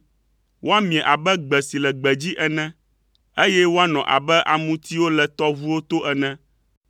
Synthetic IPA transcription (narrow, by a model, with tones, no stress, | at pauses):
wʔo˦a˦mĩ˨ɛ̃˨ʔa˨bɛ˦ɡ͡bɛ˨si˨lɛ˨ɡ͡bɛ˨d͡ʑi˦ʔɛ˨nɛ̃˦ | e˦jɛ˦wo˦a˦nɔ̃˨ʔa̰˨bɛ˦ʔa̰˨mũ˦t̪i˦wo˦lɛ˨t̪ɔ˦vu˦wo˦t̪o˦ʔɛ˨nɛ̃˦